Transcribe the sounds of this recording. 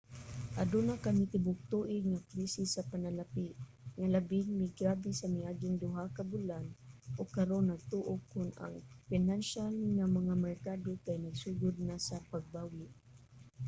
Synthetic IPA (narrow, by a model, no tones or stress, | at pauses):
ʔad̪unakamɪt̪ɪbʊk̚t̪uːʔɪŋapɾisisapanalapɪʔ | ŋalabɪŋmɪɡɾaːbɛsɐmɪaːɡɪŋd̪ʊɦakabʊlanʔoɡkɐɾonːɐɡ̚t̪uʔokːʊna̰ŋfɪnanʃalŋamɐŋamɛɹkaːd̪okajnɐɡsuːɡʊd̪̚nasapaɡ̚baːwɪʔ